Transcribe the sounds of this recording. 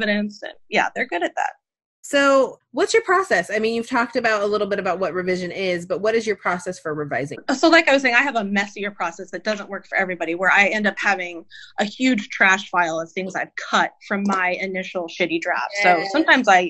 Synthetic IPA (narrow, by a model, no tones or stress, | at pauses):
vɨɾɨ̃nsɨ̰̃njæ̰ðə˞ɡʊɾɨt̪̚ðæ̰t̚ | soʊwʌtsjə˞pʰɹ̥ɔsɛsaɪmĩnjʉv̥tʰɔk̚tɨbaʊɾəlɪɾl̩ˠbɪɾɨbaʊt̚wʌt̚ɹɨvɪʒɨ̃nɪzbʌt̚wʌɾɨzjə˞pʰɹ̥ɔsɛsfə˞ɹɨvaɪzɪ̰̃ŋsoʊlaɪkaɪwʌz̥seɪ̃ŋ̃aɪɨvəmɛsiə˞pʰɹ̥ɔsɛsðɨt̚d̥ʌzə̃nʔ̚wɜ˞kfə˞ʔɛvɹibɑɾiwə˞aɪɛ̃ndʌphævɪ̃ŋʔɨhjʉd̥ʒ̥tʰɹ̥æʃfaɪlˠʌv̥θɪ̃ŋzaɪv̥kʰʌt̚fɹʌ̃mːaɪɨnɪʃl̩ˠʃɪɾidɹæ̰fsoʊsʌ̃mtʰãɪ̃mzaɪ